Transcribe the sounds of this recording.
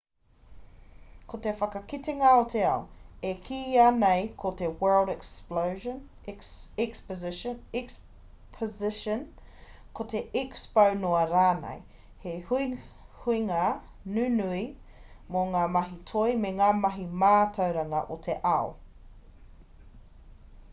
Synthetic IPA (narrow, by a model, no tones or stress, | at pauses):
kʰotefɐkɐkiteŋɐot̪ʰeɐoekʰiːanejkʰotewɜ˞ldɛksplowʒən | ɛkspzɛks | pʰəzɪʃən | kʰoteikspɐwnoɐɾaːnḛj | heh | huiŋa | nʉːnui | moŋaːmɐɦitʰojmeŋaːmɐɦimaːtʰɐwɾɐŋɐ̰ʔotʰeʔɐo